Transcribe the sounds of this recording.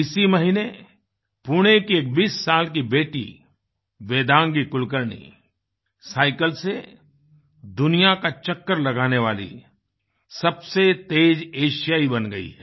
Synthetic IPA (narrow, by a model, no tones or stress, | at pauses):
ɪsimɐɦine | pʊɽ̃ekieːk̚biːsːaːlkibeːʈḭ | beːd̪ãːŋɡikʊlk̬əɾnḭ | saːɪkəlse | d̪ʊnijakat͡ʃɐkːəɾlɐɡaːneʋaːlḭ | sɐbset̪eːd͡ʒeːʃijaːibɐnɡɐḭɦɛː